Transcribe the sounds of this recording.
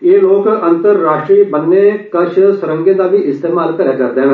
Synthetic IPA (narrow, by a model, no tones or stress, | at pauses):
jeːloːkənt̪əɾːaːʃʈɾiːbənːeːkəɾʃsʊɾə̃ŋɡeːd̪aːbiːʔɪst̪eːmaːlkəɾjaːkəɾd̪eɦɛ̃